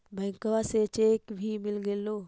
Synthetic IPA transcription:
bɛ̃ːŋkəʋaset͡ʃekbʱimɪlɡeːloː

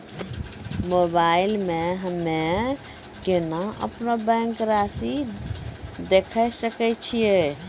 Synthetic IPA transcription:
mobailmeɦəmːe | kenaə̰pnobɛ̃ŋkɾasi | d̪ekʰəsəkɛt͡ʃʰije

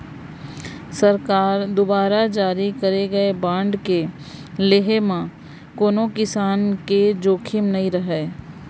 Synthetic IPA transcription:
səɾkaːɾd̪ʊbaːɾad͡ʒaːɾikɐɾeɡɐebãːɳɖke | leɦemã | koːnokɪsaːnked͡ʒoːkʰɪmnɐĩɾəɦeː

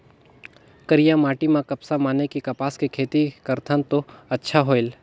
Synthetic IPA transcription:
kəɾijãmaːʈimãkɐpsamaːnekikɐpaːskekʰeːt̪ikɐɾt̪ʰənt̪oɐtːʃʰaɦoːɪl

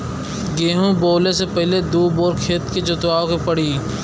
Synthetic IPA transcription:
ɡeːɦũboːlesepɛɦɪled̪uːboːɾkʰeːt̪ket͡ʃʊt̪ʋaːõkepəɽ̤iː

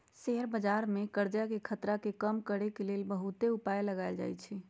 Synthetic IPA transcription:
seɦɾbəd͡ʒaɾmẽkəɾd͡ʒakekʰət̪ɾakekəmkəɾekelelbəɦut̪eupajləɡaɪld͡ʒa̰ːjt͡ʃʰɛ

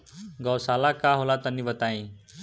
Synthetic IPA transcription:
ɡəwsalakaɦolat̪ənːiʋət̪aĩ

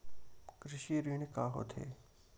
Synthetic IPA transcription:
kɾɪʃiːɾiːɳ̃kaːɦo̰t̪ʰḛː

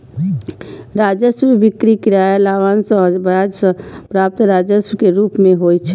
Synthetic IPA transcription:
ɾad͡ʒəswbikɾikɾaelaʋansəbəad͡ʒsə̃pɾap̚t̪ɾad͡ʒəswkeɾuːpmeɦojt͡ʃʰɛ

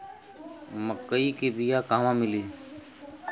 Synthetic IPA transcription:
məkːəiːkeːbiːjaːkaːʋãːmɪliː

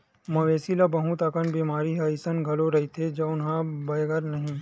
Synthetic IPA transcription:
mɐʋeːsilabɐɦʊ̃t̪akəɳbiːmaːɾiɦaisənɡʱɐloɾɐɦit̪ʰed͡ʒɐʊnɦãbɐjɡəɾnɐɦĩː

